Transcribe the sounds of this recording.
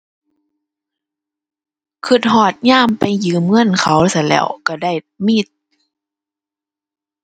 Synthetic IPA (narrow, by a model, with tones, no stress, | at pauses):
kʰɯ˧˩t̪̚hɔː˧˩t̪̚ɲaː˧˥˨mpa˨jjɯː˨˦mŋɤ˧˥˨nkʰa˧˦wsa˧˦lɛ̰ː˧˩˨wka˧˩da˧˩˨j | mi˧˥˩t̪̚